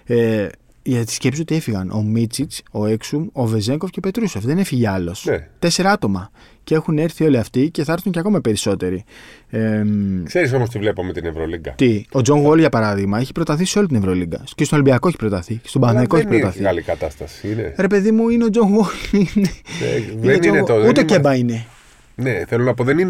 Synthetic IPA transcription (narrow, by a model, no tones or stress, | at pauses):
e | ʝɐt̪t̪i̥sce̞psisot̪ie̞fiɣɐnʔo̞̰mit͡sit͡so̞eksumo̞ve̞ze̞ŋko̞fceopet̪ɾusofðe̞nefiʝeɐlo̞snet̪e̞se̞ɾɐɐt̪o̞mɐ | cee̞xune̞ɾθio̞liɐft̪ice̞θɐɐɾθuɲceɐko̞mɐpe̞ɾiso̞t̪e̞ɾiekseɾis̬o̞most̪ivle̞pomet̪inevɾoliɡɐ̰t̪io̞d͡zo̞ŋɣolʝɐpɐɾɐðiɣmɐeçi̥pɾot̪ɐθiseo̞lit̪inevɾo̞liɡɐ̰cest̪oolibiɐko̞eçi̥pɾot̪ɐθist̪o̞bɐθekoeçiipɾot̪ɐθiɣɐlikɐt̪ɐst̪ɐsi̥inḛɾe̞pe̞ðimuineo̞d͡zoŋɣolinḛ | enoneut̪ece̞bɐine̞ | neθelonɐpoðenin